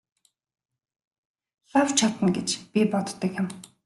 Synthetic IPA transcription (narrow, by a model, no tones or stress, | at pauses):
ɬawt͡ɕʰat̪ə̆nɡet͡ɕpʲipɔt̪ːə̆kjɪ̆m